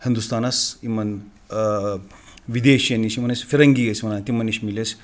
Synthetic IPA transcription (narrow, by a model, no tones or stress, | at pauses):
hind̪ust̪aːnɐsimɐn | ʋid̪eːʃjɐnisimɐnɐsʲfiɾɐŋɡijɐsʲimɐnaːnt̪imɐniʃmiles